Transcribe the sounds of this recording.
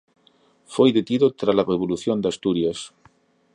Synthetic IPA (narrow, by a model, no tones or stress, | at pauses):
fojðet̪iðot̪ɾalareβ̞oluθjond̪ast̪uɾjas